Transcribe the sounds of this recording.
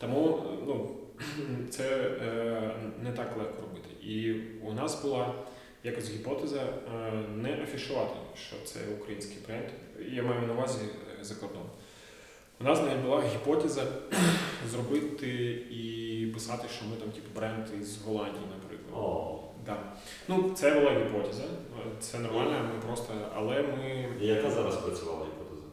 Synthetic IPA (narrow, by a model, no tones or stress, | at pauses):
t̪ɐmunu | t̪sɛ | nɛt̪ɑklˠɛxkɔɾɔbɪt̪ɪ̰ʔiʊnɑsbʊlˠɑ | jakɐsʲɦʲipɔt̪ɛzɐ | nɛʔɐfʲiʃʊʋɑt̪ɪjʃt͡ʃɔ̰t̪sɛ̰ukɾɐjinʲsʲkɪjbɾɛnd̪jamɑjʊnɐʋɑzʲizɐkɔrd̪ɔn | ʋʊnɑznɐʋid̪ʲbʊlˠɑɦʲipɔt̪ɛzɐ | zrɔbɪt̪ɪipɪsɑt̪ɪʃt͡ʃɔmɪt̪ɑmtʲipɐbɾɛnd̪izɦɔlˠɑnʲdʲijinɐpɾɪ̰klˠɐ̰do | d̪ɑ | nut̪sɛbʊlˠaɦʲipɔt̪ʲɛzɐ | t̪sɛnɔrmɑlʲnɐmɪpɾɔst̪ɐɐ̰lˠɛmɪjɐkazɑɾɐspɾɐt͡sʲʊʋɑlˠɐɦʲipɔt̪ɛzɐ